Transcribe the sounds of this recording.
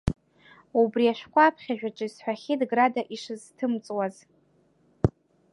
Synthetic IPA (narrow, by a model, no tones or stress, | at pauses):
ubriaʃʷᶣkʷʰʼapʰχʲaʒᶣaʈ͡ʂʼɨisħʷᶣaχʲidɡradaʔiʂɨztʰɨmt͡sʼwaz